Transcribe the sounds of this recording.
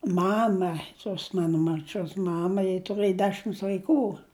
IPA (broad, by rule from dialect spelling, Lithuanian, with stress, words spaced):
ˈmɑːmɐ toːs ˈmɑːnoː mɐrʲˈt͡ʃʲoːs ˈmɑːmɐ jɪ tʊˈrɘjɪ ˈdʲæːʃʲɪms ʋɐɪˈkuː